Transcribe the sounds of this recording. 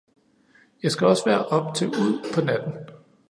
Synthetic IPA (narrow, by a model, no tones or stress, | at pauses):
jɑ̈ɪsɡ̥æɒ̽sʋæɐʔɒ̽b̥t͡sʰe̝uð̞̰ˠpʰɒ̽næd̥n̩